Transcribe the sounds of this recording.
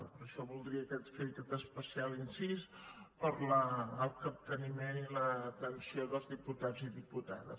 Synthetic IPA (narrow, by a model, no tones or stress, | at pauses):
pəɾəʃɔβulˠd̪ɾiəkɛt̪fet̪ət̪əspəsialinsis | pəɾləːlˠkəp̚t̪ənimenilət̪ənsioðəlˠzðiput̪ad͡ziðiput̪a̰ðə̰s